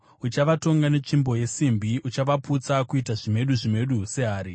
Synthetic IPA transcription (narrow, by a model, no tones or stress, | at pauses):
ut͡ʃaʋato̞ŋɡane̞t͡ʂimbo̞je̞simbiut͡ʃaʋaput͡sakuitaʐime̞ɗuʐime̞ɗuse̞ɦaːɾi